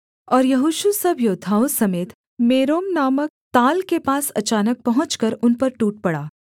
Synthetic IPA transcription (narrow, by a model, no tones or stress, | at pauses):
ɔːɾjɐɦuːʃusɐbjoːd̪ʱaːosɐmeːt̪ | meːɾoːmnaːmək̚t̪aːlkepaːsɐ̰t͡ʃaːnək̚pɐɦʊ̃t͡ʃkəɾʊnpɐɾʈuːʈ̚pɐɽaː